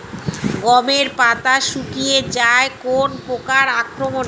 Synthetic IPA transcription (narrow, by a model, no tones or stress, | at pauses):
ɡɔmeɾpat̪aʃukijed͡ʑaekonpokaɾakɾomon